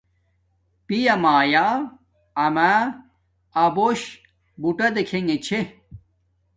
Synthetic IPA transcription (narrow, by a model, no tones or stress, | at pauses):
pijɐmaːjaː | ɐmaː | ɐboɕ | buʈɐd̪ekʰeŋet͡ɕʰe